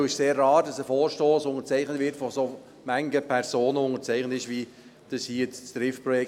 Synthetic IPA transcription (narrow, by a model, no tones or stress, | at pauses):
ɪʃseːrːɑːdɑsəfoːɾʃtoːsʊŋət͡sɛɪχnətvɪrtfɔso | mæŋɡəpʰɛɾsoːnəʊŋəɾt͡sɛɪχnətɪʃʋi | d̥əshit͡st͡sd̥ɾɪfpɾɔjɛk